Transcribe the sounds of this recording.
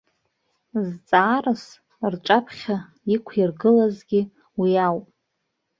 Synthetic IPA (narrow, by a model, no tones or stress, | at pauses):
zt͡sʼaːrɨs | rʈ͡ʂʼapʰχʲa | ikʷʰirɡɨlazɡʲi | wiawpʼ